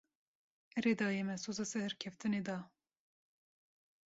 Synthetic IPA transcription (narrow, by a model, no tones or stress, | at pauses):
ɛɾed̪ɑːjɛmɛsozɑːsɛhɨɾkʲʰɛft̪ɨned̪ɑː